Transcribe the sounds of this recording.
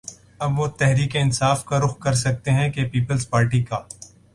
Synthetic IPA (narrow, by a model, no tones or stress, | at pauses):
ɐbʋot̪ɛɦɾiːkeɪnsaːfkaɾʊxkɐɾsɐk̚t̪eɦɛ̃kepiːpəlzpaːɾʈikaː